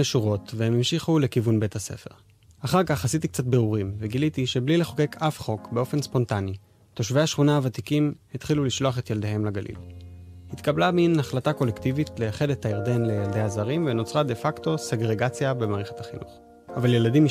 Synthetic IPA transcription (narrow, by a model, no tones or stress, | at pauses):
eʃuʁo̞tvehemimʃiχule̞kivunbe̞thasḛfe̞̰ʁ | aχaʁkaχhasit̪̬ik̚t͡sat̬beʁuʁimveɡilitiʃe̞blile̞χo̞ke̞kʰafχo̞kbe̞o̞fe̞nspo̞ntani | to̞ʃvejaʃχunaavat̪ikimhit̪χiluliʃlo̞aχe̞tjeld̪ehe̞mlaɡalʔḭlhit̪kablaminaχlatako̞lektivitlejaχe̞dethaiʁde̞nle̞jald̪e̞jazaʁimveno̞t͡sʁade̞fakto̞se̞ɡʁe̞ɡat͡sjabe̞maːʁeχe̥thaχinṵχ | avalje̞ladim